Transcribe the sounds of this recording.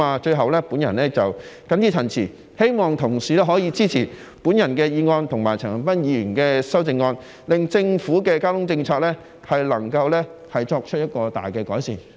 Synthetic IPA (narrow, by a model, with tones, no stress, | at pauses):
aː˨˧t͡ʃɵ˧ɥɦɐ˨wlɛː˥puː˨˥njɐ˨˩nlɛː˥t͡sɐ˨wkɐ˨˥njiː˥tʰɐ˨˩nt͡sʰiː˨˩ | he˥jmɔː˨ŋt̪ʰʊ˨˩ŋsiː˨lɛː˥ɦɔː˨˥jiː˧t͡siː˥t͡sʰiː˨˩ | puː˨˥njɐ˨˩nkɛː˧jiː˧ŋɔː˧nt̪ʰʊ˨˩ŋmaː˨˩jt͡sʰɐː˨˩ŋ˨˩pɐ˥njiː˨˧jɥyː˨˩nkɛː˧sɐ˥wt͡sɪ˧ŋːɔː˧n | lɪ˨ŋt͡sɪ˧ŋfuː˨˥kɛː˧kaː˥wt̪ʰʊ˥ŋt͡sɪ˧ŋt͡sʰɔː˧k̚lɛː˥ | hɐ˨jlɐ˨˩ŋkɐ˧wlɛː˥hɐ˨jt͡ʃɔː˧k̚t͡ʃʰɵ˥t̚jɐ˥t̚kɔː˧t̪a̰ː˨jkɛː˧kɔː˨˥jsḭː˨˩n